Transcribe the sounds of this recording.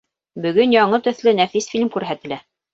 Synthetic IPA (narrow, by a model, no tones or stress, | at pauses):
bɵ̆ɡɵnjɑɴɤt̪ɵ̆θlɘnæfisfilʲmkʉɾɦæt̪ɘ̆læ